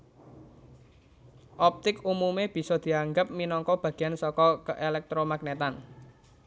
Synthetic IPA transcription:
ʔɔp̚t̪ɪkumumeb̥i̤sɔd̪̥i̤aŋɡəp̚minɔŋkɔb̥ä̤ɡ̥i̤jansɔkɔkəʔelɛk̚t̪ɾomak̚net̪an

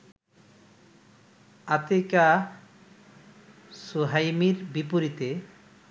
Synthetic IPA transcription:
at̪eka | suɦajmiɾbipoɾit̪e

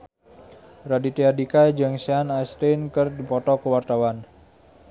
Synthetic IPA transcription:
radit̪iadikad͡ʒəŋsianast̪enkərdipɔt̪ɔkəwart̪awan

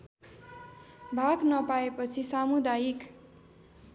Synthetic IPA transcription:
bʱaɡnʌpaepʌt͡sʰisamud̪ajik

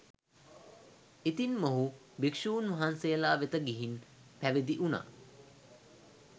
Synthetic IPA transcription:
it̪inmoɦu | bikʂuːnʋɐɦansejəlaːʋet̪əɡiɦin | pæʋed̪iʔuna̰ː

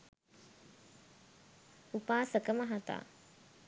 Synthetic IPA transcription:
upaːsəkəməɦat̪a̰ː

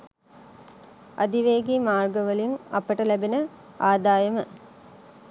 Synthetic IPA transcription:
a̰d̪iʋeːɡiːmaːrɡəʋəlinɐpəʈəlæbenə | aːd̪aːjəmə

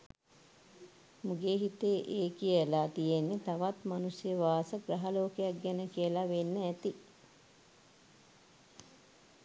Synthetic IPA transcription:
muɡeːɦit̪eːʔeːkijlaːt̪ijenːet̪aʋat̪manusjəʋaːsəɡɾɐɦaloːkejak̚ɡænəkijəlaʋenːəæt̪i

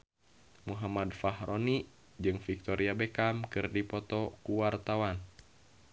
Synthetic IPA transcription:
muɦamad̪faɦɾoni | d͡ʒɨŋfik̚t̪ɔɾiabɛkamkɨrdipɔt̪ɔkuwart̪awan

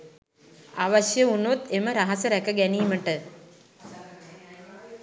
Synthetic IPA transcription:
aʋɐʃjəunot̪eməɾaɦɐsəɾækəɡæniːməʈə

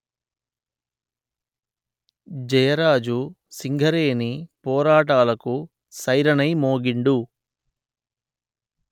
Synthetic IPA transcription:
d͡ʒɐjɐɾaːd͡ʒu | siŋɡʱɐɾeːnipɔːɾaːʈaːlɐku | sɐjɾɐnɐjmoːɡiɳɖu

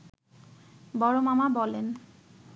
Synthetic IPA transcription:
bɔɾomamabɔlen

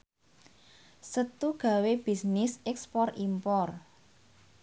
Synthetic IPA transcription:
sət̪uɡ̥a̤web̥i̤snɪsɛkspɔrimpɔr

